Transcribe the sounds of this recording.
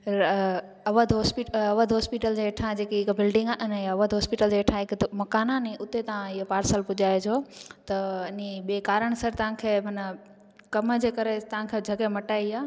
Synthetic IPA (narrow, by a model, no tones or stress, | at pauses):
ɐʋəd̪ɦɔːspiʈɐʋəd̪ɦɔːspiʈəld͡ʑeʈʰãd͡ʑeːkiɦɪkbɪlɖɪ̃ŋɡaʔɪnɐʋəd̪ɦɔːspiʈəld͡ʑeːʈʰãɦɪkmɐkaːnãnĩʔʊt̪et̪ɐãɪɦopaːɾsəlpʊd͡ʑaːed͡ʑʰoːt̪ɐɪniɓeːkaːɾəɽ̃sɐɾt̪ɐʋãkʰeːmɐn | kɐmd͡ʑeːkɐɾet̪ɐʋãkʰed͡ʑʱɐɡemɐʈaːiaː